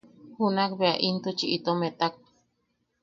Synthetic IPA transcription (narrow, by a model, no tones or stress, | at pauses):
hunakbeaʔint̪ut͡ʃiʔit̪omet̪ak̚